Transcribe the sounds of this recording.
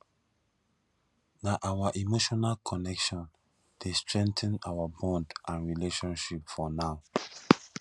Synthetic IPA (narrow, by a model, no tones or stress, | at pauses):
naʔawaʔimoʃɔnalkʰɔnɛkʃɔ̃n | d̥estɹɛ̃ŋtɛ̃nawabɔ̃ndʔãnɹileʃɔ̃nʃipfɔnaʊ